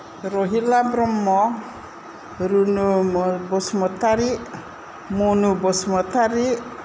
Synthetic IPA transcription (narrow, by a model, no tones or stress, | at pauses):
ɾɔɦilabɾɔmːɔ | ɾunubɔsmɔt̪aɾiʔ | munubɔsmɔt̪aɾiʔ